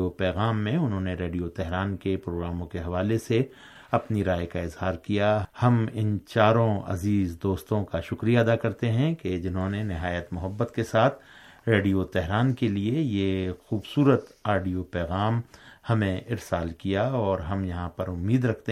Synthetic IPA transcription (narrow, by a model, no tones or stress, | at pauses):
opɛːɣaːmːẽʊnɦõːneɾeːɖijot̪ɛɦɾaːnkepɾoːɡɾaːmõkeɦɐʋaːlese | ɐpniɾaːjkaɪzɦaːɾkijahɐmɪnt͡ʃaːɾõɐ̰ziːzd̪oːst̪õkaʃʊkɾijaɐd̪akɐɾt̪eɦɛ̃ked͡ʒɪnɦõnenɪɦaːjət̪mʊɦəbːət̪kesaːt̪ʰ | ɾeːɖijot̪ɛɦɾaːnkeliejexuːbsuːɾət̪aːɖijopɛːɣaːmhɐmẽɪɾsaːlkijaɔːɾɦɐmjɐɦãpɐɾʊmːiːd̪ɾɐkʰt̪e